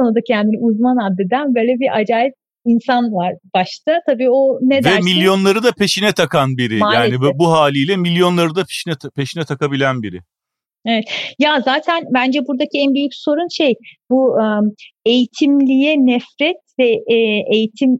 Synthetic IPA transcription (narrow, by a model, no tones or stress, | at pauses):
onad̪acʰɛænd̪iniuzmanad̪ːed̪ænbøːlʲɛbiɾʔad͡ʒaːlʲɛt̪̚ | insanvaɾbaʃt̪ʰat̪ʰabiːo̞ned̪ɛmilʲjo̞nlˠaɾɯd̪apʰe̞ʃinɛt̪ʰakanbiɾijaːlaːnibuɦaːlʲijlʲɛmilʲjo̞nlˠaɾɯd̪apʰe̥ʃinɛpʰe̞ʃinɛt̪ʰakabilʲænbiɾɪ̰ | evɛt̪jazaːt̪ʰænbænd͡ʒɛbuɾd̪acʰiɛnbijyk̚ʲso̞ɾunʃejbuɯe̞jit̪ʰimlʲijɛnɛfɾɛt̪̚vɛejit̪ʰim